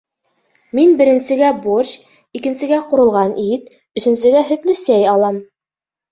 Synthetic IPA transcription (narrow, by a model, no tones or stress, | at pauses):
minbɘ̆ɾɘ̆nsɘ̆ɡæborɕ | ikɘ̆nsɘ̆ɡæqŏɾɤ̆lˠʁɑnit̪̚ | ɵ̆ʃɘ̆ns̬ɘ̆ɡæɦɵ̆t̪lɘsæjɑlˠɑm